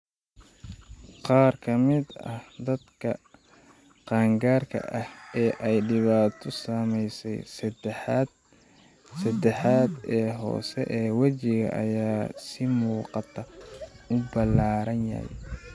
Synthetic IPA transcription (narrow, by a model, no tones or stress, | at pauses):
qɑːrkʰɐmɪd̪ɐ̰hd̪ɐd̪kʰɐ | qɑːŋɡaːrkʰɐ̰ʔɐhɛːʔɛjɖɪβaːt̪ʰɔsɐmɛjsɛj̪ | sɐd̪ɛħaːd̪ɛːɦɔ̰ːsɛʔɛːwɐt͡ʃɪɣɐ̰ʔɐ̰jaːsɪmuːqɑt̪ʰɐʊbɐlaːɾɐnjɐ̰hɛ̰